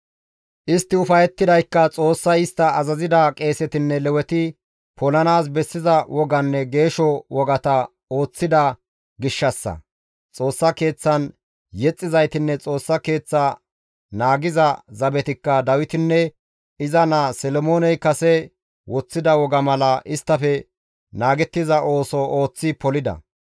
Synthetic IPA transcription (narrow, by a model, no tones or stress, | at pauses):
ʔɪst̪ːɪʊfɐjɛt̪ːɪd̪ɐjkːɐt͡sʼo̞ːsːɐjɪst̪ːɐːzɐzɪd̪ɐkʼe̞ːsɛt̪ɪnːɛlɛwɛt̪ɪ | pʰɔlɐnaːs̬bɛsːɪzɐwʔɔɡɐnːɛɡe̞ːʃɔwɔɡɐt̪ɐ | o̞ːt͡sːɪd̪ɐ | ɡɪʃːɐsːɐ̰ | t͡sʼo̞ːsːɐke̞ːt͡sːɐn | jɛt͡sʼːɪzɐjt̪ɪnːɛt͡sʼo̞ːsːɐke̞ːt͡sːa | naːɡɪzɐzɐbɛt̪ɪkːɐd̪ɐwɪt̪ɪnːɛ | ɪzɐnasɛlɔmoːnɛjkɐsɛ | wɔt͡sːɪd̪ɐwɔɡɐmɐlɐʔɪst̪ːɐfɛ | naːɡɛt̪ːɪzɐʔo̞ːsɔo̞ːt͡sːɪpɔlɪd̪ɐ̰